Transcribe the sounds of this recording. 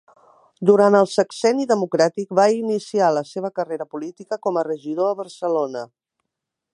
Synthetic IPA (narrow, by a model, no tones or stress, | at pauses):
d̪uɾanəlˠsəksɛniðəmukɾat̪ik̚bainisialəseβ̞əkəreɾəpulit̪ikəkɔmərəʒiðoəβəɾsəlonə